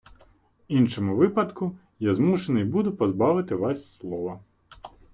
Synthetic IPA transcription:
inʃɔmʊʋɪpɐd̪kʊ | jazmuʃenɪjbud̪ʊpɔzbɑʋɪt̪ɪʋɑsʲslˠɔʋɐ

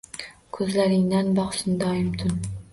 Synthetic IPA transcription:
kʰɵzlaɾɪŋd̪anbɒχsɪnd̪ɒɪmt̪ʰʊn

